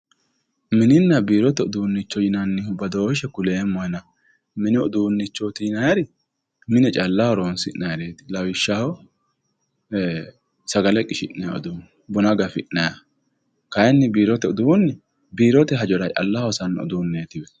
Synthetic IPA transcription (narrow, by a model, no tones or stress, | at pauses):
mɪnɪnːɐbiːɾɔt̪ɛɔd̪uːnːɪt͡ʃːɔd͡ʒɪnɐnːɪhʊbɐd̪oːʃɛkʊleːmɔjnɐ | mɪnɪɔd̪uːnːɪt͡ʃːɔt̪ɪɪnɐjɛɾɪ | mɪnɛt͡ʃʼɐlːɐhɔɾoːnsɪ̰ʔnɐjɾeːt̪ɪ̥lɐwɪʃːahɔ | sɐɡɐlɛkʼɪʃɪʔnɐja̰ɔ̰d̪un | bɔnɐɡɐfɪʔnɐjɐ | kɐjɛnːɪbiːɾɔt̪ɛɔd̪uʊnːɪ | biːɾɔt̪ɛɦɐd͡ʒɔɾɐt͡ʃʼɐ̰lːɐhɔsɐnːɔ̰d̪uːnːeːt̪ɪj